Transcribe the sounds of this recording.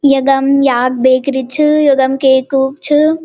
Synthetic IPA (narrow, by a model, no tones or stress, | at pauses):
jɐɡɐmjaːɡ̚beːkɾit͡ʃʰɨjoɡɐmkeːkuːk̚t͡ʃʰɨ